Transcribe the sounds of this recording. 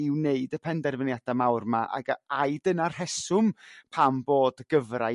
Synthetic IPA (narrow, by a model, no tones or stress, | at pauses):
ɪwneɨdəpʰɛndɛrvənjad̥amawrmaʔa̰ɡəaɨdənar̥hɛsʊmpʰamboːdɡ̥əvra